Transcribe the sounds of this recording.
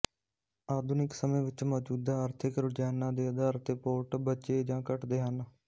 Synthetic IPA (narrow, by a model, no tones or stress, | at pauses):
aːd̪ʱʊnɪksəmẽːʋɪt͡ʃmɔːd͡ʒuːd̪aːəːɾt̪ʰɪkɾʊd͡ʒɛːnãːd̪eːəd̪aːɾət̪epoːʈbəːt͡ʃeːd͡ʒãːkəʈd̪eːɦən